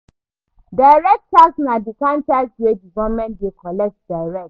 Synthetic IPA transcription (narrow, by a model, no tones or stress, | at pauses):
daɪɹɛk̚tasnadikãnt͡ʃasdedivɛlmɛ̃ntdekʰɔlɛk̚t̚daɹɛk̚t